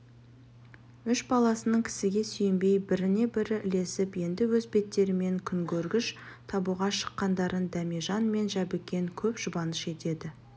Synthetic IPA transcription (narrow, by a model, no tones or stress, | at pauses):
ʏʃbɑlˠɑsənəɴkʲʰɪ̥sɪɡʲe̞sʏjɪmbe̞jbɪɾɪne̞bɪɾɪʔɪle̞sɪpje̞nd̪ɪwɵzbe̞t̪ːe̞ɾɪme̞ŋkʲʰʏŋkʲʰɵɾɡʲɪʃt̪ʰɑbuʁɑʃə̥qːɑnd̪ɑɾənd̪æmeʒɑnme̞nʒæbɪkʲːe̞ŋkʲʰɵpʒ̥ʊbɑnəʃe̞t̪e̞d̪ɪ